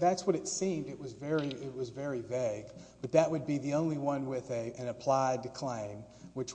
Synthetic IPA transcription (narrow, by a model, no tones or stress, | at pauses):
ðætswʌɾɨtsĩmdɨʔ̚wʌzvɛɹiɪt̚wʌzvɛɹiveɪɡb̥ʌt̪̚ðɨʔ̚wɨd̚biðiõʊ̃nliwʌ̃nwɪðɨɨ̃nɨpʰl̥aɪd̚tʰɨkʰl̥ẽɪ̃m | wɨt͡ʃ